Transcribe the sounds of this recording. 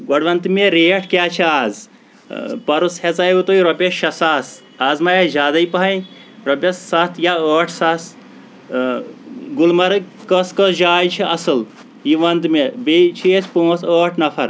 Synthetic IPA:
ɡɐɖʋɐnt̪meɾeːʈʰkʲjaːt͡ʃʰiaːz | pɐɾushezajʋut̪oiɾopʲeʃɐsaːs | aːzmɐjed͡ʒaːd̪aipɐɦɐj | ɾopʲɐsːɐt̪ʰjaəːʈʰsɐs | ɡulmɐɾkɐskɐsd͡ʒaːjt͡ʃʰiɐsɨl | jiʋɐnd̪mebet͡ʃʰiet͡ʃʰpõːsəːʈʰnɐfʰɐɾ

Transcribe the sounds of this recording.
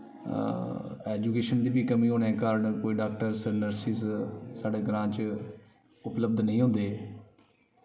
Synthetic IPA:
ɛːd͡ʒuːkeːʃənd̪iːbʱiːkəmĩːɦoːnɛ̃ːkəɾɳkoːiːɖaːk̚ʈəɾsənəɾsissaːɖeːɡɾãːt͡ʃ | ʊpləb̚d̪nəĩːɦõːnd̪eː

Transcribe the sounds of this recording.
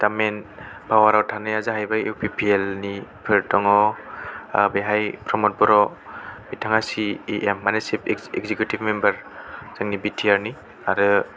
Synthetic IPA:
tamenpʰawaɾawtʰanɯjazaɦajbajuwpʰipʰielnipʰɯɾtɔŋɔ | beɦajpʰɾɔmɔt̚bɔɾɔmitʰaŋasieʔemːanesipeɡzekjutibmembaɾz̥aŋnibitʰiaɾni | aɾɯ

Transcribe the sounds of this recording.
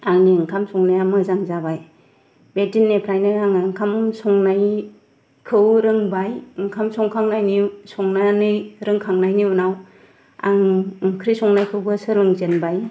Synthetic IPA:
aŋniɯŋkʰamsɔŋnajamɯzaŋzabaj | bedinːepʰɾajnɯaŋŋkʰamsɔŋnaj | kʰɯwɾɯŋbajɯŋkʰamsɔŋkʰaŋnajnisɔŋnanɯɾɯŋkʰaŋnajniunaw | a̰ŋŋkʰɾisɔŋnajkʰɯwbɯsɯɾɯŋzenbaj

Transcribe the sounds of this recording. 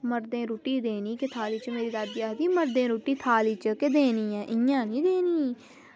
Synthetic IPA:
məɾd̪ẽːɾoːʈiːd̪eːniːkɪt̪ʰaːliːt͡ʃmeːɾiːd̪aːd̪aːd̪iːməɾd̪ẽːɾoːʈiːt̪ʰaːliːt͡ʃkɪd̪eːniːɛːʔɪjãːnĩːd̪eːniː

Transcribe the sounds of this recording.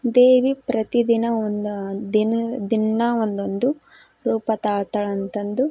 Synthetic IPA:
d̪eːʋipɾɐt̪id̪inɐond̪d̪inɐd̪inːɐond̪ond̪u | ɾuːpɐt̪aːɭt̪ɐɭɐnt̪ɐnd̪u

